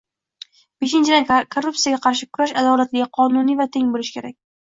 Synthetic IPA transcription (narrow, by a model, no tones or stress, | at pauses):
b̥e̞ʃɪnt͡ʃʰɪd̪ankʰorːup̚sijaɡʲaqʰɑɾʃ̬ɪkʰʊɾaʃad̪ɒlat̪lɪɡʲaqʰɒnʊnijvat̪ʰe̞ŋbolɪʃkʲʰe̞ɾakʲ